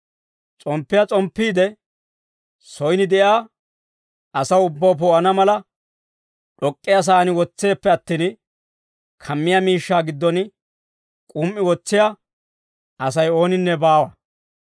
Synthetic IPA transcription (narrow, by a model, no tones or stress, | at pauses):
t͡sʼɔmpːɪjɐt͡sʼɔmpːiːd̪ɛ | sɔjnɪd̪ɛjaː | ɐsɐwʊbːɐwp̬oːʔɐnɐmɐlɐ | ɗɔkʼːɪjas̬aːnɪwɔt͡sːe̞ːpːɛɐt̪ːiːn | kʰɐmːɪjɐmiːʃːaːɡɪd̪ːɔn | kʼʊmʔːɪwɔt͡sːɪja | ɐs̬ɐjo̞ːnɪnːɛbaːwɐ